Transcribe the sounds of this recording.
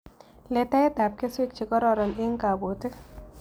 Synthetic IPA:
le˨tɛ˦t̪a˨p̚ke˦se˦k̚t͡ʃi˨kɔ˦ɾɔ˨ɾɔ˨nɪ˦ŋka˨bo˨t̪ɪ˦

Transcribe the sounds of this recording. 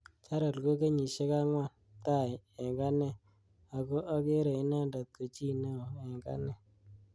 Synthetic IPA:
t͡ʃa˦ɾa˨lɡo˦ke˦ɲi˨ʃe˦ka˦ŋwa˦˨ | ta˦˨jɛ˨ŋɡa˦nɛ˦ | a˨ɡo˦ʔa˦ke˦ɾe˨ɪ˦na˦nda˨t̪̚ko˨t͡ʃi˦˨ne˦o˨ɛ˨ŋɡa̰˦nɛ˦˨

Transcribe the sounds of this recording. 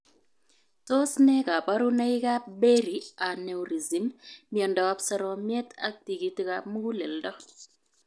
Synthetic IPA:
to˦snɛ˦ka˨pa˦ɾu˦na˦ɪ˦ka˦be˦ɾi˨a˨ne˨u˨ɾi˨zi˨mːiɔ˨ndɔ˨a˦psɛ˦ɾɔ˨mjɛ˦ta̰˦k̚ti˨ki˨tka˦mu˦ɡu˦le˨ldɔ˦

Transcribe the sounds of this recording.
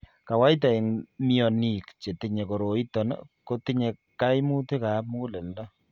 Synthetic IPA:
ka˨wa˦jt̬a˨e˨ŋmi˦ɔ˨ni˨kt͡ʃe˨ti˦ɲe˨ko˨ɾo˨i˦tɔ˨n̰ko˦ti˦ɲe˨ka˦jmu˦te˦ka˨˦mu˦le˨ldɔ˦

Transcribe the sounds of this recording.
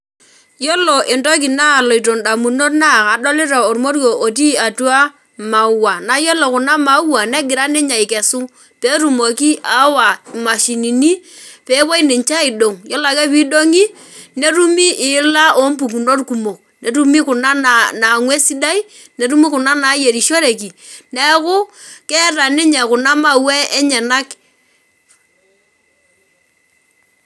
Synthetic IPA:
jo˦lo˨ʔɪ˨nto˦ki˨na˦˨lo˨i˨to˨nda˨mu˨no˦tna˦˨ka˨do˦lɪ˦ɾa˨o˨ɾmo˦ɾo˨ʔo˨t̬i˦a˨tu˦a˦ | ma˨˦wa˨na˨˦jo˦lo˨kʊ˨na˦ma˨˦u˦wa˨nɛ˦ɡɪ˨ɾa˦nɛ˦ɲa˨i˨kɛ˨su˦ | pe˦ɾu˨mo˨ki˦ʔa˨˦wa˨ma˨ʃi˨ni˨ni˦pe˨˦bo˦i˦nɪ˨ɲt͡ʃa˦i˨do˨ŋjo˦la˨kɛ˦pi˦do˦ŋi˦ | ne˦ɾu˦mi˦ʔɪ˨la˦o˨˦m˦pu˨k̬u˨no˦rku˨mo˨ | ne˨ɾu˦mi˦kʊ˨na˦nana˨ŋwe˦si˦da˦i˦ | ne˨ɾu˦mi˦kʊ˨na˦na˨˦je˨ɾi˨ʃo˦ɾe˨ki˨nɛ˨˦kʊ˦kɛ˦ɾa˨nɪ˦ɲɛ˨kʊ˨na˦ma˦wɛ˦ɛ˦ɲɛ˨na˦k

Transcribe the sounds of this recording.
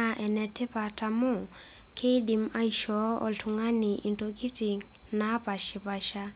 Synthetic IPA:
a˨ʔɛ˨nɛ˨tʰɪ˦pa˨tʰa˨mʊ˦˨ | kʰe˦di˨ma˦i˨ʃɔ˨˦ɔ̰˨ɬʰʊ˨ŋa˦nɪ˨ʔi˨ntʼo˨kʼi˦t͡sʼi˨ | na˦pa˨ʃɪ˨pa˨ʃa˦

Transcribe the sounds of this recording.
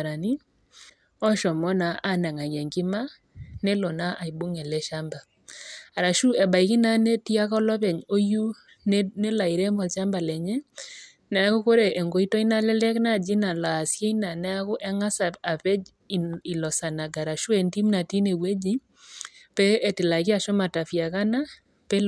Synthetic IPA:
ɾa˨ni˦ | ɔ˦ʃɔ˨mɔ˦na˨ʔa˦na˨ŋa˨ɡɛ˨ŋki˦ma˦ | nɛ˦lo˨na˦ʔa˨i˨bu˦ŋɛ˨lɛ˦ʃa˦mba˨ | a˨ɾa˨ʃu˦ɛ˨ba˨i˨ki˦na˦ne˦ti˦a˦kɔ˦lɔ˦pɛ˨ɲo˦ju˦ | nnɛ˦la˨i˨ɾɛ˦mɔ˨lt͡ʃa˦mba˨lɛ˨ɲɛ˦ | na˨a˦ko˦ko˦ɾe˨ʔɛ˨ŋɡo˨i˦tɔ˦i˦na˦lɛ˦lɛ˦kna˦˨d͡ʒi˦na˨la˨sje˦ina˨na˦a˦kʊ˦ʔɛ˦ŋa˦sa˨pa˨pɛ˦˨ | i˨lɔ˨sa˨na˨ɡa˨ɾa˨ʃu˦ɛ˨nti˦mna˨ti˦ne˨we˦d͡ʒi˦ | pɛː˦˨tɪ˨la˨kɪ˦a˦˨ʃɔ˦ma˨ta˨fja˨ka˦na˦ | pɛ˦

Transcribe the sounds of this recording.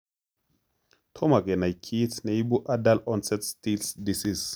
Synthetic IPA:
tʰo˦ma˨ɡe˨na˨jkʰi˦tne˨jbu˦ʔa˦da˦lɔ˦nsɛ˦tsti˦lsdi˨si˦s

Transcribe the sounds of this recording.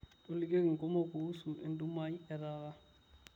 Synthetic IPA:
to˨li˦ke˦kŋ̩˨kʼɔ˦mo˦ko˨u˦su˨ɪ̰˨n˦du˦ma˦i˦ɛ˨raː˦ɣa˦

